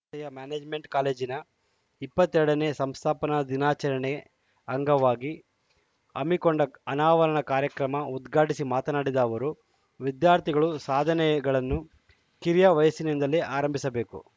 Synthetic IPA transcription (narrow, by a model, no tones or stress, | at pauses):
ɐjɐmjaːneːd͡ʒme̞ɳʈkaːle̞ːd͡ʒinɐ | ipːɐt̪ːɛɾɐɽɐneːsɐmst̪ʰaːpɐnɐd̪inaːt͡ʃɐɾɐɳɛ | ɐŋɡɐʋaːɡi | ɐmːikoɳɖɐɐnaːʋɐɾɐɳɐkaːɾjɐkɾɐmɐud̪ɡʱaːʈisimaːt̪ɐnaːɽid̪ɐːʋɐɾu | ʋid̪jaːɾt̪ʰiɡɐɭusaːd̪ʱɐnɛɡɐɭɐnːu | kiɾijɐʋɐjɐsinind̪ɐliʔaːɾɐmbʱisɐbe̞ːkṵ